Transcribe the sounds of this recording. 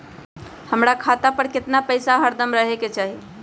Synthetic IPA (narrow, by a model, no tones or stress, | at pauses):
həmɾakʰat̪apəɾkɪt̪napəɪsaɦəɾd̪əmɾəɦeket͡ʃaːɦi